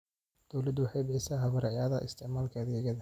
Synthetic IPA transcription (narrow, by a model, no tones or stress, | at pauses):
d̪̥ɔwlɐd̪wɑħɑjbɪħɪsaːɦɐβɐɾɐʕjaːðɐʔɪ̰st̪ʰɪʕmaːlkʰɐɐðɛːɣɐðɐ